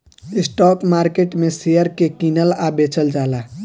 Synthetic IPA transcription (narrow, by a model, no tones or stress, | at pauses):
ɪsʈɔːkmaːɾkeʈmesejəɾkekinəlabet͡ʃəld͡ʒaːla